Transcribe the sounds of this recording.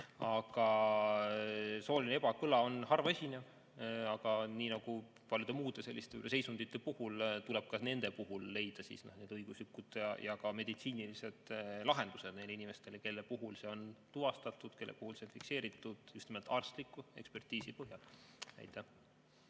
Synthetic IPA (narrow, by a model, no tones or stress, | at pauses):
ɑɡ̥ɑ | soːlinee̞b̥ɑkɯlɑo̞nɦɑrvɑesinev | ɑɡ̥ɑniːnɑɡ̥u | pɑlʲjud̪̥emuːd̪̥e̞se̞lːist̪e̞y̰lʔesejsund̪̥it̪ːˑe̞puhult̪uleb̥̚kɑsne̞nd̪̥e̞puɦulːe̞jd̪̥ɑsḭːsnohneːd̪ɤjɡ̥uslikːˑud̪̥jɑjʔɑkɑme̞d̪̥it̪siːnilise̞d̪̥lɑɦe̞nd̪used̪ne̞jlːinime̞st̪e̞leke̞lːepuɦulse̞o̞nt̪uvɑst̪ɑt̪ːˑud̪̥ke̞lːḛpuhulseonfikse̞ːɾit̪ːˑud̪̥just̪nimelt̪ːɑrst̪likːˑue̞kspe̞rt̪iːsipɤɦjɑlæ̰jt̪ːˑæh